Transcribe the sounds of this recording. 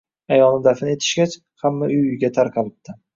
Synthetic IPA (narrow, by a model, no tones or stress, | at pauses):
ajɒlˠnɪd̪afɪnɪe̞t̪ʰɪ̥ʃɡʲat͡ʃ | hamːaʊjɡʲat̪ʰaɾqʰɑlɪp̚t̪ʰɪ